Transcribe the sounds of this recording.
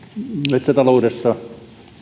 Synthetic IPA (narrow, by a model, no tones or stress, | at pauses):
met̪sæt̪ɑloudesːɑ